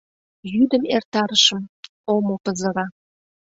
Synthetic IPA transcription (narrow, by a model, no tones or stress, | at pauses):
jyd̪əmert̪ɑɾəʃə̆m | omopəzə̆ɾɑ